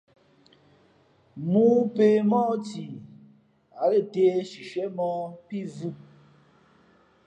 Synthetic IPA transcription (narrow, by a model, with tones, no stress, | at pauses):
mu˦pe˨mɔ˦ti˨ | a˨le˦˨te˦ʃi˨ʃɛ˦mɔ˦pi˦˨vu˦˨